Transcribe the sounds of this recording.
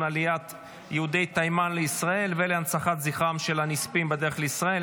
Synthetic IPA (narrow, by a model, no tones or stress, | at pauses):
nalijat̪ | jehud̪ejt̪ajmanleisʁae̞lveleansaχat̪ziχamʃe̞lanispimbed̪e̞eχleisʁael